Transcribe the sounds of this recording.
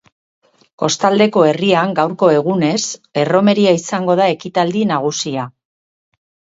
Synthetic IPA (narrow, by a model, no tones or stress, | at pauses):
ko̞st̪ald̪e̞ko̞e̞riaŋɡawɾko̞e̞ɣ̞une̞se̞ro̞me̞ɾiaisaŋɡo̞ð̞ae̞kit̪ald̪inaɣ̞usia